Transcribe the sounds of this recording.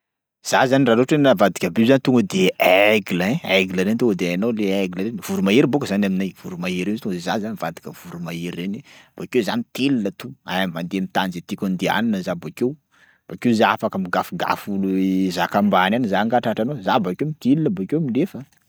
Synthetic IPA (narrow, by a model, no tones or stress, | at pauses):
z̥azaniraɾoʈ͡ʂenavad̪ikʲəbezanit̪uŋɡəd̪eeɡləẽeɡləɾent̪uŋɡəd̪eanowleeɡləɾenv̥uɾumaeɾibokəzanaminajv̥uɾumaeɾeiit̪uŋɡəzezazanvad̪i̥kʲəv̥uɾumaeɾenib̥akewzanit̪ilinət̪uamand̪emit̪anzet̪ikʲund̪ea̰ninəzabakew | b̥akewzaafakəmiɡafuɡa̰fuluzakambananizaŋɡaʈ͡ʂaʈ͡ʂanowzabakemit̪ilinəbakemilefə